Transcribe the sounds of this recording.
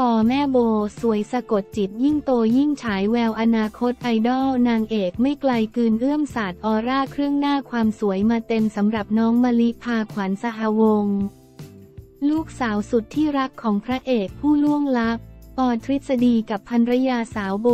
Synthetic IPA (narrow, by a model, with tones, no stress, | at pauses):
t̪ɔː˧mɛː˥˩boː˧su˩˦əjsa˧ko˨˩t̪̚t͡ɕi˨˩t̪̚ji˥˩ŋt̪oː˧ji˥˩ŋt͡ɕʰaː˩˦jwɛː˧wʔa˧naː˧kʰo˦˥t̪̚ʔa˧jdɔː˥˩wnaː˧ŋʔeː˨˩k̚ma˥˩jkla˧jkɯː˧nʔɯ˥˩əmsaː˨˩t̪̚ʔɔː˧ɾaː˥˩kʰɾɯ˥˩əŋnaː˥˩kʰwaː˧msu˨˩˦əjmaː˧t̪e˧msa˩˦mɾa˨˩p̚nɔː˦˥ŋmaː˧li˦˥pʰaː˧kʰwa˩˦nsa˧ɦa˧wo˧ŋ | luː˥˩k̚saː˩˦wsu˨˩t̪ʰːiː˥˩ɾa˦˥kʰːɔː˩˦ŋpʰɾa˦˥ʔeː˨˩k̚pʰuː˥˩lu˥˩əŋla˦˥p̚p̪ɔː˨˩t̪ʰɾi˦˥t̪̚sa˧diː˧ka˨˩pʰːa˧nɾa˦˥jaː˧saː˩˦wbo˧